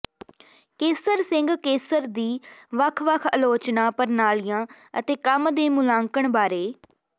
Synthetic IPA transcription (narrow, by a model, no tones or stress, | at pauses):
keːsəɾsɪ̃ŋɡkeːsəɾd̪iːʋəkʰʋəkʰəloːt͡ʃnaːpəɾnaːlijãː | ə̰t̪eːkəmd̪eːmʊlaːŋkəɳbaːɾeː